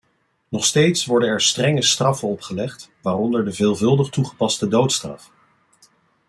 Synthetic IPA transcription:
nɔχstejtsʋɔɹdənɛɹstrɛŋəstrɑfənɔpχəlɛχtʋaːrɔndəɹdəvɪːlˠvɵlˠdəχtuχə̥pɑstədowtstrɑ̰f

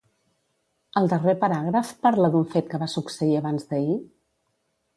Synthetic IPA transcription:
əlˠd̪ərepəɾaɣ̞ɾəfpaɾləd̪uɱfet̪̚kəβasuksəiəβanzðəi

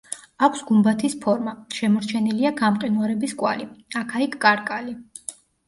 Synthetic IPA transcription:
akʷʰsɡumbat̪ʰispʰɔɾmaʃɛmɔɾt͡ʃʰɛniliaɡamqʼinuaɾɛbiskʼwa̰liakʰaikʰkʼaɾkʼali

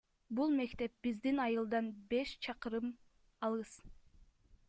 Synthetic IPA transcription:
bulˠme̞kt̪e̞p̚bizd̪inɑjɯlˠd̪ɑnbeʃt͡ʃʰɑqɯɾɯm | ɑlˠʁɯz̥

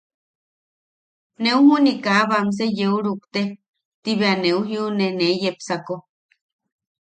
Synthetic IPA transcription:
neuhunikaβams̬ejeuɾukt̪e | t̪iβeaneuɦiunenejepsako

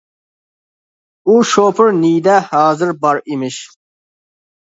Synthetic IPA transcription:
uʃoːpʰɨɾniːd̪ahaːzɪɾbɑɾimiʃ

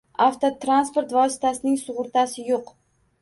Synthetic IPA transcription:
aft̪ʰot̪ʰɾanspoɾt̪vɒsɪ̥t̪ʰasɪnɪŋsʊʁʊɾt̪ʰasɪjoq

